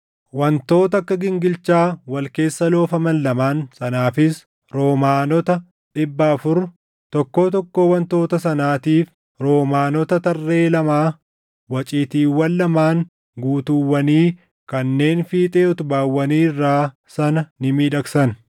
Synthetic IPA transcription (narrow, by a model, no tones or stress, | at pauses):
wɐnt̪o̞ːt̪ɐɐkːɐɡɪŋɡɪlt͡ʃaːwɐlke̞ːsːɐlo̞ːfɐmɐnːɐmaːnsɐnaːfɪs | ɾo̞ːmaːnɔt̪ɐ | ᶑɪbːɐːfʊɾ | t̪ɔkːo̞ːt̪ɔkːo̞ːwɐnt̪o̞ːt̪ɐsɐnaːt̪iːf | ɾo̞ːmaːnɔt̪ɐt̪ɐrːe̞ːlɐmaː | wɐt͡ʃʼiːt̪iːwːɐlːɐmaːŋ | ɡuːt̪uwːɐniː | kɐnːe̞ːnfiːt̪ʼeːɔt̪ʊbaːwːɐniːrːaː | sɐnɐnɪmiːᶑɐksɐn